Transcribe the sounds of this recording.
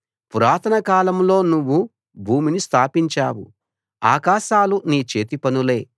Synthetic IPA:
puɾaːt̪ʰɐnɐkaːlɐmlo̞ːnuʋːu | bʱuːminist̪ʰaːpiɲt͡ʃaːwṵ | aːkaːʃaːluniːt͡ʃe̞ːt̪ipɐnule̞ː

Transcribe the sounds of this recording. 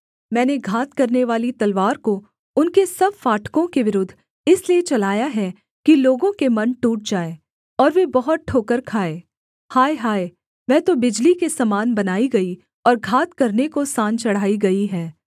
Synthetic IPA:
mɛ̃ːneɡʱaːt̪kɐɾneʋaːlit̪ɐlʋaːɾko | ʊnkesɐb̚faːʈkõkeʋɪɾʊd̪ʱː | ɪsliet͡ʃɐlaːjaɦɛ | kiloːɡõkemɐnʈuːʈ̚d͡ʒaːe | ɔːɾʋebɐɦʊt̪̚ʈʰoːkəɾkʰaːeː | haːeɦaːe | mɛ̃ːt̪obɪd͡ʒlikesɐmaːnbɐnaːiɡɐi | ɔːɾɡʱaːt̪kɐɾnekosãːnt͡ʃɐɽ̤aːiɡɐiɦɛː

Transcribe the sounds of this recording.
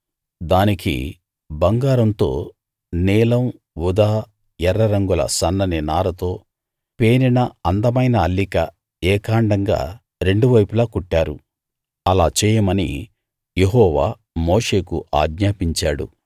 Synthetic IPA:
d̪aːnikḭ | bɐŋɡaːɾɐnt̪o̞̰ː | niːlɐm | ʋud̪aː | jɛɾːɐɾɐŋɡulɐ̰sɐnːɐninaːɾɐt̪o̞ː | peːɾinɐɐnd̪ɐmɐjnɐːlːikɐ | ɛːkaːɳɖɐŋɡa̰ː | ɾe̞ɳɖuʋɐjpulaːkuʈːaːɾṵ | ɐlaːt͡ʃɛːjɐmɐnḭ | jeɦɔːʋaː | moːʂe̞ːkuʔa̰ːɡɲaːpiɲt͡ʃaːɽṵ

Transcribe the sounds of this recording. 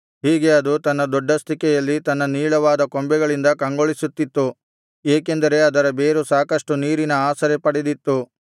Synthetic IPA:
ɦiːɡe̞ɐd̪ut̪ɐnːɐd̪ɔɖːɐst̪ʰikɛjɐlːit̪ɐnːɐniːɭɐʋaːd̪ɐkombɛɡɐɭind̪ɐkɐŋɡoɭisut̪ːit̪ːu | eːkend̪ɐɾe̞ɐd̪ɐɾɐbe̞ːɾusaːkɐʂʈuniːɾinɐaːsɐɾɛpɐɽed̪it̪ːu

